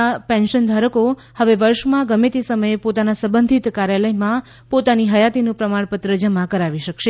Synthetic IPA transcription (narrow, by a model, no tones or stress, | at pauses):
pɛ̃nʃənd̪ʱaɾəko | həʋeʋəɾʃmãɡəmet̪isəməjepot̪anasəbənd̪ʱit̪kaɾjaləjmã | pot̪aniɦəjat̪inũpɾəmaɳpət̪ɾəd͡ʒəmãkəɾaʋiʃəkʃe